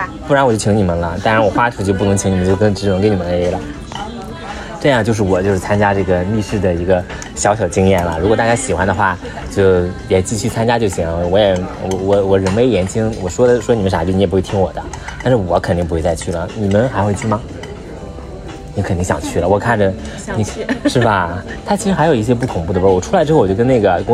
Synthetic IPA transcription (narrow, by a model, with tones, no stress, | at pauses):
pu˥˩ɻa˧˥nwt͡ɕo˥˩t͡ɕʰi˧˥ŋni˨˩mə˦nlə˦t̪ɑ˥ŋɻa˧˥nwɔ˨˩xwa˥ʈ͡ʂʰu˥˩t͡ɕjp̬u˥˩nɤ˧˥ŋt͡ɕʰi˧˥ŋni˨˩m˧˦t͡ɕo˥˩˧kɤ˥ŋʈ͡ʂɻ̩˧˥˩ə˧˥ke˧˥ɪni˨˩ə˧˦˧lə˩ | ʈ͡ʂɤ˥˧jŋt͡ɕo˥˧ʊʂ̬ɻ̩˥˩wɔ˨˩t͡ɕjo˥˧ʊʂɻ̩˥˩t͡sʰa˥nt͡ɕja˥ʈ͡ʂɤ˥˩ɡə˩li˥˧ʂɻ̩˥˩d̪ə˩i˧˥ɡə˧ | ɕjɑ˧˥ʊɕjɑ˨˩ʊt͡ɕi˥ŋjɛ˥˩nlə̰˩ɻu˧˥kwɔ˨˩t̪a˥˧˩t͡ɕa˥˩ɕi˨˩xwa˥nd̪ə˧xwa˥˩ | t͡ɕjo˥˩ʊjɛ˨˩t͡ɕi˥˧t͡ɕʰy˥˩t͡sʰa˥nt͡ɕja˥t͡ɕjo˥˩ʊɕwɔ˧˥jɛ˨˩wɔ˧˩wɔ˧˩˥wɔ˨˩ɻə˧˥nme˧˥ɪjɛ˧˥nt͡ɕʰi˥ŋwɔ˨˩ʂwɔ˥ə˨ʂwɔ˥ni˨˩mə˦nʂa˨˩t͡ɕy˥˩n˧˥jɛ˨˩pu˥e˥˩i˥ŋwɔ˨˩d̪ə˦t̪a˥˧ʂɻ̩˥˩wɔ˨˧˥kʰnt̪i˥˩ŋpu˧˥xwe˧t͡sa˥˧ɪt͡ɕʰy˥˩lə̰˩ni˨˩mə˦nxa˧˥ɪxwe˥˧ɪt͡ɕʰy˥˩mɐ˩ | ni˧˥kʰnt̪i˥˩ŋɕjɑ̰˨˩ŋt͡ɕʰy˥˩lə˩wɔ˨˩kʰa˥˩nʈ͡ʂə˩ | ni˧ʂɻ̩˥˩bɐ˩ | t̪ʰa˥t͡ɕʰi˧˥ʂɻ̩˥xa˧˥jo˨˩ʊi˧˥ɕ̬jɛ˥p̬u˥˩kʰʊ˨˩ŋpu˥˩ə˨˩˧wɔ˨˩ʈ͡ʂʰu˥la˧˥ʈ͡ʂɻ̩˥o˥˩wɔ˨˩t͡ɕə˥ne˥˩ɡə˩kʊ˥